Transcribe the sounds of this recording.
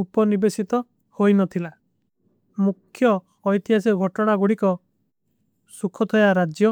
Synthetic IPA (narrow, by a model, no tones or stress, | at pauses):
upɔnibesit̪ɔ | hojnɔt̪ʰila | mukʰːjɔː | jt̪iɦasiɡʱɔʈɔɽ̃aɡuɽikɔ | sukʰɔt̪ʰɔjaɾad͡ʒjɔ